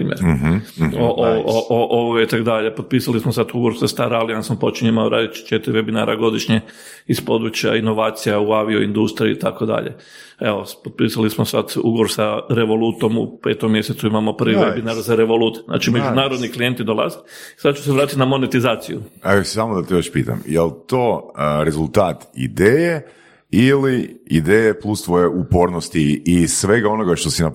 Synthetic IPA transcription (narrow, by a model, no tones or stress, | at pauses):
pɾḭːmjḛɾ | oʔʔoʔoʔoʋoɡait̪akod̪aʎepod̪̚piːsalismosat̪uɡʋoɾsest̪aɾaliansampo̞t͡ʃiɲoimaoɾa̰ːd̪it̪t͡ʃet̪iɾiʋe̞bina̰ːɾʔa̰ɡo̞d̪iʃɲe | ispo̞d̪ɾut͡ʃja̰ino̞ʋaːt̪sijauaʋioind̪ust̪ɾiṵit̪ako̞d̪a̰ʎḛ | eopod̪̚piːsalismosa̰d̪ṵɡoɾsaɾe̞ʋo̞lut̪o̞mṵpe̞̰ːt̪omːjeset̪suimamo̞pr̩ʋiʋebinaɾzaɾeʋo̞lut̪eznʔa̰ːt͡ʃimed͡ʒunaːɾo̞d̪niklije̞nt̪id̪o̞lˠa̰zetisad̪̚t͡ʃu̥s̬eʋɾaːt̪it̪namo̞net̪izaːt̪sijuesamod̪at̪ijoʃpiːt̪a̰mjelˠt̪o̞ːɾezulˠt̪aːt̪ḭd̪eːje | iliid̪ejeplˠust̪ʋojeupo̞ɾnost̪iːsʋe̞ɡao̞noɡaʃt̪osina